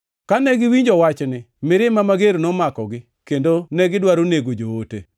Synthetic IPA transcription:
kanɛɡɪwiɲd͡ʒɔwat͡ʃnɪ | mɪɾɪmamaɡeɾnɔmakɔɡɪ | kendonɛɡɪdwaɾoneɡod͡ʒoote

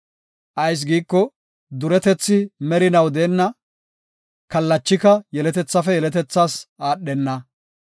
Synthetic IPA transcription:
ʔɐjs̬ɡiːkːɔ | d̪ʊɾɛt̪ɛt͡sːɪmɛɾɪnɐwd̪eːnːɐ | kɐlːɐt͡ʃːɪkɐjɛlɛt̪ɛt͡sːɐfɛjɛlɛt̪ɛt͡sːaːsʔaːɗːɛnːɐ

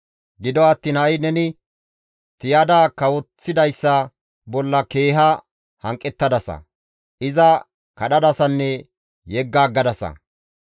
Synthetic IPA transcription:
ɡɪd̪ɔɐt̪ːiːnhɐjnɛnɪ | t̪ɪjad̪aːkɐwɔt͡sːɪd̪ɐjsːɐ | bɔlːɐke̞ːɦɐ | hɐŋkʼːɛt̪ːɐd̪ɐsɐ̰ | ʔɪzɐ | kɐɗɐd̪ɐsɐnːɛ | jɛɡːaːɡːɐd̪ɐsɐ̰

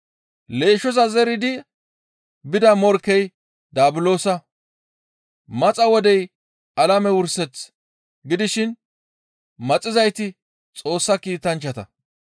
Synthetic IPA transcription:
le̞ːʃɔs̬ɐzɛɾɪd̪ɪ | bɪd̪ɐmɔɾkːɛj | d̪aːbɪlo̞ːsɐ | mɐt͡sʼɐwɔd̪ɛj | ɐlɐmɛwʊɾsɛt͡s | ɡɪd̪ɪʃɪn | mɐt͡sʼɪzɐjt̪ɪ | t͡sʼo̞ːsːɐkiːt̪ɐnt͡ʃːɐt̪ɐ

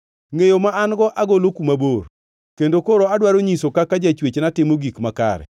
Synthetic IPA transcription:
ŋejomaanɡɔʔaɡolokumabor | kendokoɾoadwaɾoɲisokakad͡ʒat͡ʃwet͡ʃnatɪmoɡikmaka̰ɾɛ̰

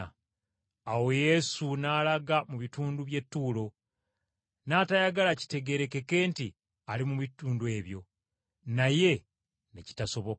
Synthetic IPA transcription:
awo̞je̞sunaːlaɡamuβituːnduβje̞tːuːlo̞ | naːtajaɡalaci̥te̞ɡe̞ɾe̞ke̞ke̞ːnti | alimuβituːndue̞ːβjo̞ | naje̞ | neci̥taso̞βo̞k

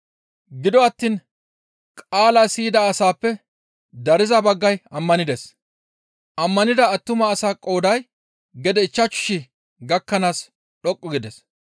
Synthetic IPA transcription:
ɡɪd̪ɔɐt̪ːiːn | kʼaːlasiːd̪ɐːsaːpːɛ | d̪ɐɾɪzɐbɐɡːɐjɐmːɐnɪd̪es | ɐmːɐnɪd̪ɐːt̪ːʊmɐːsaːkʼo̞ːd̪ɐj | ɡɛd̪ɛɪt͡ʃːɐt͡ʃːʊ̥ʃɪ | ɡɐkːɐnaːs | ɗɔkʼːʊɡɪd̪es

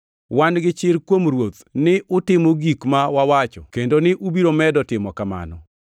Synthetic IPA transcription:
wanɡɪt͡ʃɪɾkwomrwot̪nɪʔʊtɪmoɡikmawawat͡ʃɔkendonɪʔubiɾomɛdɔtɪmɔkama̰nɔ

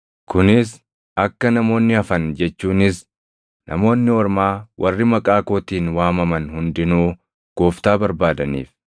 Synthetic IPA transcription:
kʊnɪs | ɐkːɐnɐmo̞ːnːɪɐfɐnd͡ʒɛt͡ʃːuːnɪs | nʔɐ̰mo̞ːnːɪɔɾmaːwʔɐrːɪmɐkʼaːko̞ːt̪iːnwaːmɐmɐnhʊnd̪ɪnuː | ɡ̥oːft̪aːbɐɾbaːd̪ɐnḭːf

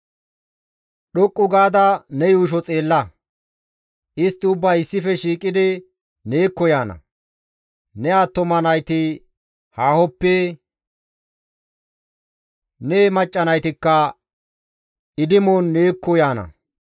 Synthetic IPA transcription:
ɗɔkʼːʊɡaːd̪ɐnɛjuːʃ̬ɔt͡sʼe̞ːlːɐ | ʔɪst̪ːɪʊbːaːɪsːɪfɛʃiːkʼɪd̪ɪ | ne̞ːkːɔjaːnɐ̰ | nɛat̪ːɔmɐnɐjt̪ɪ | haːhɔpːɛ | neːmɐt͡ʃʼːɐnɐjt̪ɪkːɐ | ɪd̪ɪmonːe̞ːkːɔjaːnɐ̰

